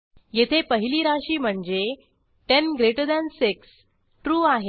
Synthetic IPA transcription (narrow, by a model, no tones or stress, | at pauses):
jet̪ʰepəɦiliːɾaɕiːm̤əɳd͡ze | ʈenɡɾeʈəɾd̪ænsiks | ʈɾuːaɦe